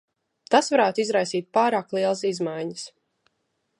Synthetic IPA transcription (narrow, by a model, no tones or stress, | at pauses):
t̪asvaɾaːt̪ʊizɾajsiːt̪̚paːɾaːklˠiɛlˠəsizmajɲəs